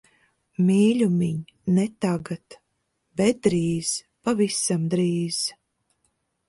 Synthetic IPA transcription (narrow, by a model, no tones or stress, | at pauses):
mʲiːlʲumiɲ | nɛt̪aɡat̪ | bɛt̪̚d̪ɾiːz̥ | pavisamd̪ɾiːz̥